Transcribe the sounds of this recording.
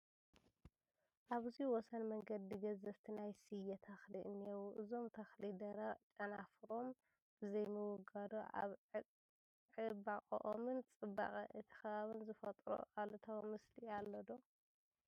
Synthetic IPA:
ʔaβɨziwɔsɐnmɐŋɡɐd̪iɡɐzɐβt̪ʰinajsɨjɐt̪ʰɐxliʔɨnːewuʔɨzo̞mt̪ʰɐxlid̪ɐɾɐt͡ʃʼɐnafɨɾo̞m | b̥ɨzɐjmɨwʊɡad̪oa̰β | ʕɨbaχʼɐ̰ʔomɨnt͡sʼɨba̰χʼɐʔɨt̪ʰi̥xɐβaβɨnzɨfɐt̪ʼɾo̰ʔalt̪ʰɐwmɨslialːɐd̪o

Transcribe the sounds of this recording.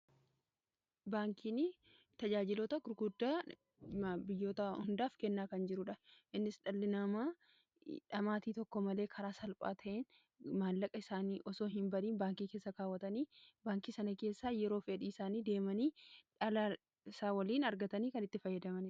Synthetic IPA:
baːŋkiːnɪ | t̪ɐd͡ʒaːd͡ʒɪloːt̪ɐɡʊɾɡʊd̪ːaː | bɪjːo̞ːt̪ɐhʊnd̪aːfkɛnːaːkɐnd͡ʒɪɾʊᶑɐʔɪnːɪsᶑɐlːɪnɐmaː | ᶑɐmaːt̪iːt̪ɔkːɔmɐle̞ːkʰɐɾaːsɐlpʼa̰ːt̪ʰɐʔeːn | maːlːɐkʼɐɪsaːniːʔɔso̞ːɦɪmbɐɾiːnbaːŋkiːkeːsːɐkaːwːɐt̪ɐniːbaːŋkiːsɐnɐke̞ːsːaːjɛɾo̞ːfɛᶑiːɪsaːniːd̪e̞ːmɐniːᶑɐla | saːwɐliːnɐɾɡɐt̪ɐniːkɐnɪt̪ːɪfɐjːɐd̪ɐmɐn

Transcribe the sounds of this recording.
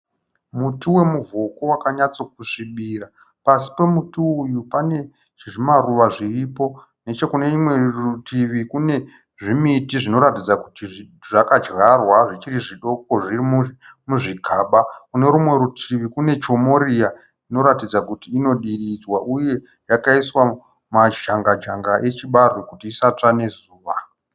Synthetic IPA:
mutiwe̞muvʱo̞ko̞wakaɲat͡so̞k̚uʂiɓiːra | pasi̥pe̞mutiːjupane̞ | ʐiʐimaruʋaʐiripo̞ | net͡ʃe̞kune̞imwe̞rutʰiʋikune̞ | ʐimitiʐino̞ɾatid͡zakuti | ʐakad͡ʒɣarwaʐit͡ʃiriʐiɗo̞k̚o̞ʐirimu | muʐiɡʱaɓakune̞ɾumwe̞ɾutʰiʋikune̞t͡ʃo̞morija | ino̞ɾatid͡zakutiːno̞ɗirid͡zwaʔuje̞ | jakaiswa | maʒaŋɡad͡ʒaŋɡaʔet͡ʃiɓarukutiːsat͡ʂane̞zuːʋa

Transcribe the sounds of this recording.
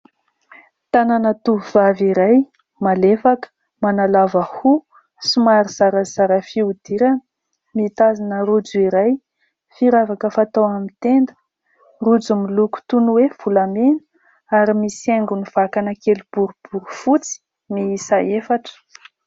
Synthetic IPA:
t̪ananət̪uɦv̥aviɾaj | malefakə̥ | manalavəhu | sumaɾiz̥aɾəz̥aɾəfiud̪̥iɾanə | mit̪azinəɾud͡zuiɾaj | fiɾavakəfat̪owamint̪end̪ə̥ | rud͡zumiluku̥t̪unuwev̥ulamenu̥ | aɾimiseŋɡuniv̥akanəkelib̥uɾub̥uɾufut͡si̥ | miisaefaʈ͡ʂə̥

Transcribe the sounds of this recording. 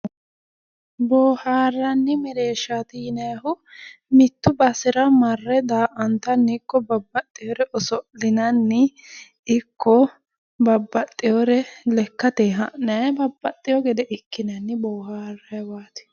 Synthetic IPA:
bɔːhaːrːɐnːɪmɛɾeːʃːɐt̪iːnɛɦʊmɪt̪ːʊbɐsɪɾɐmɐrːɛd̪aːʔɐnt̪ɐnːɪkːɔbɐbːɐt̪ʼːɪjɔɾɛʔɔsɔlɪnɐnːɪ | ɪkːɔ | bɐbːɐt̪ʼːɪjɔɾɛlɛkːɐt̪eːɦɐʔnɐbɐbːɐt̪ʼːɪjɔɡɛd̪ɛʔɪkːɪnɐnːɪboːhaːrːɐjwaːt̪ɪ̥

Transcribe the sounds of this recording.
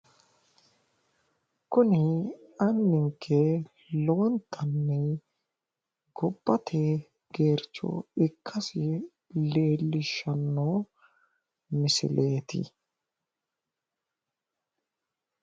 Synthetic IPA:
kʊnɪɐnːɪŋkʰːɛ | lɔwɔnt̪ʰːɐnːɛ | ɡɔbːɐt̪ʰe | ɡe̞ːɾt͡ʃːɔ̰ɪkʰːɐsɪ | le̞ːlːɪʃɐnːoː | mɪsɪ̰lʔe̞ːt̪ɪ̰

